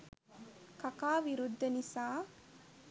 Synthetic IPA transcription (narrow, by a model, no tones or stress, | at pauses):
kɐkaːʋiɾud̪ʱːɐnisaː